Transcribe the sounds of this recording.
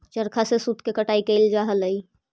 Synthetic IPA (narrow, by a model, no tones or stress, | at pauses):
t͡ʃəɾkʰasesut̪kekəʈaikəɪld͡ʒaɦələi